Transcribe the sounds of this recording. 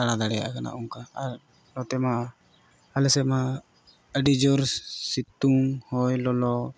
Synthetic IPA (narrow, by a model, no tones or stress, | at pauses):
aɽ̃ad̪aɽɛja̰ʔkana̰ʔuŋkaaɾ | lɔt̪ɛma | alɛsɛma | əɖid͡ʒɔɾsit̪uŋhɔjlɔlɔ